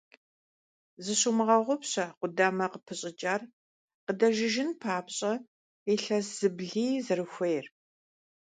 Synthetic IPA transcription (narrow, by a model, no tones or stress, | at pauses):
zɨɕumɨʁɐʁʷʊpɕɐqʷʊdaːmɐqəpʰɨɕʼɪt͡ʃʼaːr | qədɐʒɪʒɪnpʰaːpɕʼɐ | eːɬɐsz̥ɨbɮiːzɨɾɨxʷejr